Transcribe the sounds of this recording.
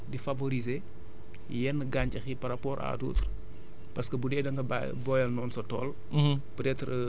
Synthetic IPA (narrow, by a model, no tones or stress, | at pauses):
difɐvoɾize | jɛnːəɡaːɲcɐxipɐɾapɔːɾʔa̰ːdṵːtr | pɐskəbudɛːdɐŋɡɐ | bɔjɐlnɔːnsɐtɔ̰ːl | bɾɛtr